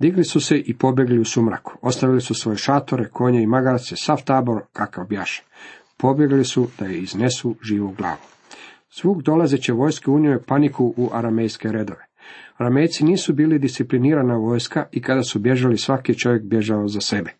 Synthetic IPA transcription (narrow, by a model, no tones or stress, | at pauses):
d̪iɡlisuse̞ʔipo̞bje̞ɡliusumɾa̰ku̥o̞st̪aʋilisusʋo̞jeʃat̪oɾekʰo̞ːɲeimaɡaɾt̪sesaft̪aːbo̞ɾkʰakawbjaʃḁ | po̞bjeɡlisud̪̥ajeiznesuʒiːʋuɡlˠa̰ːʋu | z̥ʋuːɡd̪o̞lˠazet͡ɕeʋo̞jskeuɲimopanikuʔuʔaɾamejske̞ɾed̪o̞ʋeaɾame̞jt̪siniːsubiːlid̪ist̪ipliniːɾanaʋo̞ːjskaʔikad̪asubje̞ʒalisʋakit͡ʃo̞ʋje̞kbje̞ʒaozase̞be